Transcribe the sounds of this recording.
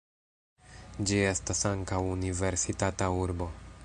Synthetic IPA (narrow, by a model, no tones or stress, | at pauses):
d͡ʒie̞stasaŋkawunive̞ɾsitatauɾbo̞